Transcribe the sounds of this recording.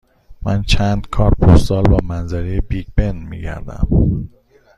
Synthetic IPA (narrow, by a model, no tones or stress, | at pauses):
mænt͡ʃʰænd̪̥kʰɒːɾpʰussɒːlbɒːmænzæɾejebiɡbenmḭːɟæ̰ɾd̪æ̰m